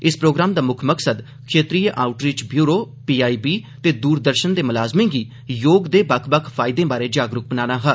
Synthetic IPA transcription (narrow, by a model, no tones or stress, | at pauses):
ɪspɾoːɡɾaːmd̪aːmʊkʰməksəd̪ | kʰeːt̪ɾiːjʔaːʊʈɾit͡ʃbjuːɾoː | piːaːiːbiːt̪eːd̪uːɾd̪əɾʃənd̪eːmʊlaːzmɪ̃ːɡiː | joːɡd̪eːbəkʰbəkʰpʰaːɪd̪ẽːbaːɾeːd͡ʒaːɡɾʊk̚bənaːnaːɦɛː